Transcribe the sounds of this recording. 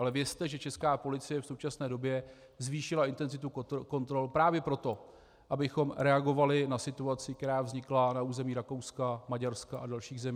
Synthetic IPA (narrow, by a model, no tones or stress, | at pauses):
ʔalɛvjɛst̪ɛʒɛt͡ʃɛskaːpo̞lɪt͡sɪjɛfso̞wt͡ʃasnɛːdo̞bjɛ | zviːʃɪlaɪnt̪ɛnzɪt̪ukko̞nt̪ɾo̞lpɾaːvjɛpɾo̞t̪o̞ | ʔabɪxo̞mɾɛaɡo̞valɪnasɪt̪uat͡sɪk̚t̪ɛɾaːvzɲɪklanauːzɛmiːɾako̞wskamaɟaɾskaʔadalʃiːɣzɛmi